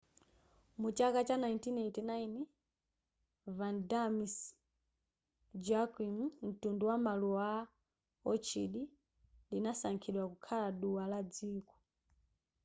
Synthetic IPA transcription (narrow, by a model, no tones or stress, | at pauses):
mut͡ʃakat͡ʃanaintinɛtinaini | vandamis | d͡ʒakimm̩tunduwamalua | ɔt͡ʃʰiɗi | linasaŋkʰiɗwakukʰalaɗuwalad͡ziːkɔ̥